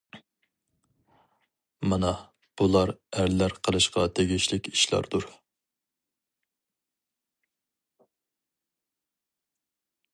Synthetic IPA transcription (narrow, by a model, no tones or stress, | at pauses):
mɑnɑ | b̥ulˠɑɾæɾlæɾqʰəlˠɨʃqɑt̪ʰeɡʲiʃlɪkʲiʃlˠɑ̰ɾd̪uɾ